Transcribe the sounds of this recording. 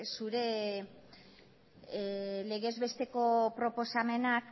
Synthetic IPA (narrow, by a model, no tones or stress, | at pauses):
suɾe̞ | le̞ɣe̞zβe̞st̪e̞ko̞pɾo̞po̞same̞nak